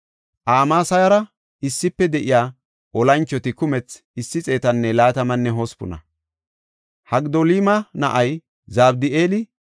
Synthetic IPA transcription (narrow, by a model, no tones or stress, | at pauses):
ʔaːmaːsɐjɐɾɐ | ɪsːɪpːɛd̪ɛʔɪjaː | ʔɔlɐnt͡ʃːɔt̪ɪkʊmɛt͡s | ɪsːɪt͡sʼe̞ːt̪ɐnːɛlaːt̪ɐmɐnːɛɦɔspʊ̰nɐ̰ | hɐɡd̪olimɐnɐ̰ʔɐj | zaːbd̪ɪeːlɪ